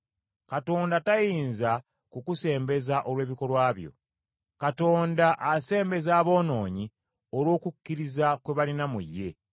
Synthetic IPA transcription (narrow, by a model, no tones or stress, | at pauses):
kato̞ːndatajiːnza | kukuse̞ːmbe̞zaʔo̞lwe̞ːβiko̞lwaːβjo̞̰ | kato̞ːndaʔase̞ːmbe̞zaːβo̞ːno̞ːɲi | olwo̞ːkukːiɾizakwe̞βalinamṵjːe̞